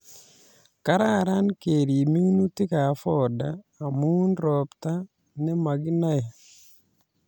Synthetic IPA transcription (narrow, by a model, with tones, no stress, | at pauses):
ka˦ɾa˦˨ɾa˦nke˨ɾi˨mi˦ŋnu˦tɪ˦ka˨fɔ˦˨daː˨ | mu˦nɾɔ˨pta˦ | nɛ˦ma˨ɡi˦na˦e˨